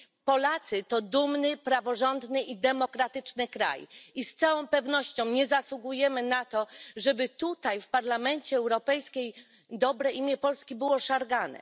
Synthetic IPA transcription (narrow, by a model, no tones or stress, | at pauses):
pɔlat̪sɘt̪ɔd̪umnɘpɾavɔʐɔnd̪nɘʔid̪ɛmɔkɾat̪ɘt͡ʂnɘkɾa̰jist̪sawɔ̃w̃pɛvnɔɕt͡ɕɔ̃w̃ɲɛzaswuɡujɛmɘnat̪ɔʐɛbɘt̪ut̪ajfpaɾlamɛɲt͡ɕɛːwɾɔpɛjskʲej | d̪ɔbɾɛʔimʲjɛpɔlskʲibɘwɔʂaɾɡanɛ̰